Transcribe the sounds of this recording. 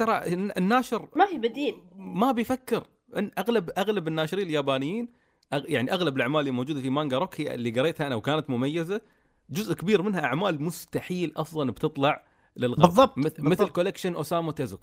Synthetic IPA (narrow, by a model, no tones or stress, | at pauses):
ɑɾˤɑːʕʔɪnːaːʃɪɾmafiːbɪd̪iːlmabɪjfakːɪɾ | ʔɪnʔaɣlabʔaɣlabɪnːaːʃɾiːnɪljaːbaːnɪjːiːn | ʔajaʕniʔaɣlabɪlʔaʕmaːlɪlːimowːd͡ʒuːd̪afimaːŋɡaɾˤokhɪa̰lːiɡɑɾˤeːt̪haʔnawkaːnat̪mʊmajːaza | d͡ʒʊzʔkɪbiːɾmɪnhaʔaʕmaːlmʊst̪aħiːlʔɑfðˤɑlbt̪ɨt̪ˤlɑʕ | lɪlɣbðˤːɑb̚mˤmɪθlkolɪkʃɪnʔosaːmat̪azʊk